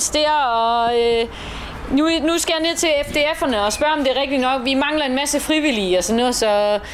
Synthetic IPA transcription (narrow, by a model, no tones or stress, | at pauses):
sd̥eɐɒ̽ø | nunusɡ̥æjɑ̈neðˠt͡sʰe̝efd̥e̝efɐnəɒ̽sb̥ɶɐ̰ɒ̽md̥e̝ɐʁɛɡ̥̚d̥inɒ̽ɡ̥ʋimɑ̈ŋlɐe̝nmæsəfʁiʋiliɒ̽sɒnːɔ̽ð̩ˠsɒ̽